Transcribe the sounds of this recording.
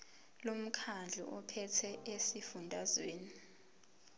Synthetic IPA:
lom̩kʰand͡ɮʱṵʔɔpʰɛtʰɛʔesifundʱazweːni

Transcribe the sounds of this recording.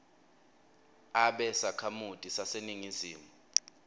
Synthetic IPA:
aɓɛsakʰamutʼisaseniŋiziːmu

